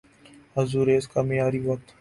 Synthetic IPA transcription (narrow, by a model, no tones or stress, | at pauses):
ɐzuːɾeːskamijaːɾiːʋɐk̚t̪